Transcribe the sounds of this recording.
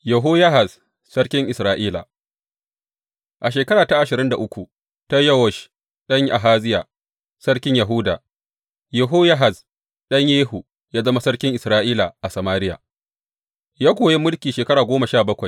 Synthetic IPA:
jɐ˨ɦoː˦jɐ˦ɦa˨z | sɐ˦ɽkʲɪ˦ŋʔɪ˨sɾaː˦ʔiː˦la̰˨ | ʔa˨ʃeː˨kɐ˦ɽaː˨ta˦ʔa˨ʃɪ˨ɾɪ˦nda˨ʔʊ˦kʷu˨ | ta˦jɐ˦wɔ˨ʃ | ɗɐ˦ɲ˦ʔa̰˨ɦaː˦zɪ˦ja˨ | sɐ˦ɽkʲɪ˦ɲja˨ɦʊ˦da̰ː˨ | jɐ˨ɦoː˦ja˦ɦa˨z | ɗɐ˦ɲjeː˦ɦu˨ | jaː˦zɐ˦ma˦sɐ˦ɽkʲɪ˦ŋʔɪ˨sɾaː˦ʔiː˦la˨ʔa˨sɐ˨maː˦ɾɪ˦ja̰ː˨ | jaː˦kʷoː˨je˦mʊ˦lkʲiː˨ʃeː˨kɐ˦ɽaː˨ɡʷoː˦ma˨ʃaː˦˨bɐ˦kʷa˨j

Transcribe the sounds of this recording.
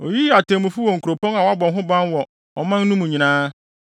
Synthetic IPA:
o˨ji˦a˨tʰɛ̃˨mũ˨fu˦wɔ˨ŋ̩˨kʰu˨ɾo˨pʰɔ̃˦na˨wa˦bɔ̃˨nɦʊ̃˦bã˦nwɔ˨ | ɔ˨mã˦nː˦ũ˦mũ˨ɲĩ˨nãː˦

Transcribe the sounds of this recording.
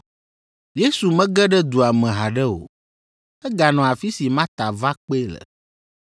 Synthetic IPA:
je˦su˨mɛ̃˦ɡɛ˦ɖɛ˦d̪u˨a˨mɛ̃˨ɦa˨ɖɛ˦o̰˨ | ɛ˦ɡa˨nɔ̃˨a˨fi˦si˨mã˦t̪a˨va˦k͡pe˦lə̰˨

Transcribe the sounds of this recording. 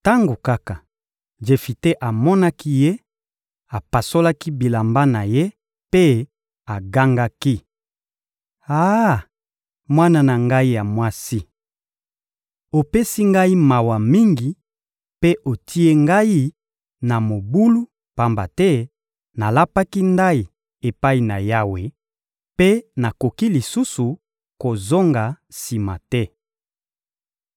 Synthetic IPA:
ta˦ŋɡo˨ka˦ka˨ | ʒe˨fi˨te˦ʔa˨mɔ˦na˦ki˦je˦ | a˨pa˨so˦la˦ki˦bi˨la˨mba˦na˨je˦ | pe˦ | a˨ɡa˦ŋɡa˦ki˦ | a˦ | mwa˦na˦na˨ŋɡa˦i˦ja˨mwa˦si˦ | o˨pe˦si˦ŋɡa˦i˦ma˨wa˨mi˦ŋɡi˨ | pe˦ʔo˨tʰi˦e˦ŋɡa˦ji˦ | na˨mo˨bu˦lu˦ | pa˦mba˨tɛ˦ | na˨la˦pa˦ki˦nda˦i˨ | e˨pa˦i˨na̰˨ja˦we˨ | pe˦na˨ko˨ki˦li˨su˦su˨ | ko˨zo˦ŋɡa˨ | si˨ma̰˨tɛ˦

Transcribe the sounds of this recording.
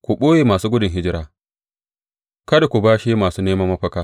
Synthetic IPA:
kʷu˨ɓoː˦jeː˨maː˨suː˦ɡʷʊ˦dʊ˨ŋɦɪ˦d͡ʒɪ˦ɾaː˦ | kɐ˦da˨kʷu˨baː˦ʃi˦maː˨suː˦neː˦mɐ˦mːɐ˦ɸɐ˦kaː˦

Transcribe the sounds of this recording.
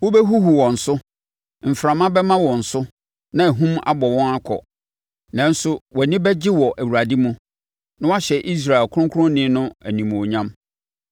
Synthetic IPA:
wo˦bɛ˦ɦu˦hu˨wɔ̃˨n̩˨sʊ˦ | m̩˨fɾã˨mã˦bɛ˦mã˦wɔ̃˨n̩˨sʊ˦ | nã˦æ˨ɦũ˦ma̰˦bɔ˨wɔ̃˦ŋa˦kʰɔ̰˨ | nã˨n̩˦sʊ˦wɔ˨nĩ˦bɛ˦d͡ʑɪ˦wɔ˨ʔæ˨wu˨ɾa˨di˦mũ˦ | nã˦wa˦ɕɛ˨ʔi˦s̬ɾa˨ɛ˨lkʰʊ˦ʊ̃˦kʰʊ˦ɾʊ̃˦nɪ̃˦nʊ̃˦æ˨nĩ˨m̃˨o˨ɲã˦m

